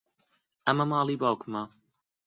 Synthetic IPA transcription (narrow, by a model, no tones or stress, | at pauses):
ɐmɐmɑːlˠiːbaːwkmɐ